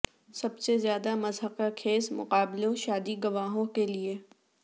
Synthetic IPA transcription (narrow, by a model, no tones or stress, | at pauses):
sɐbsezjaːd̪amɐzɦəqakʰeːsmʊ̰qaːblõʃaːd̪iɡɐʋaːɦõkelie